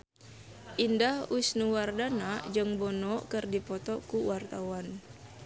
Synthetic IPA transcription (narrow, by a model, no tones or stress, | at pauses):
ʔindahusnuwardanad͡ʒɨŋbɔnɔkərdipɔt̪ɔkuwart̪awan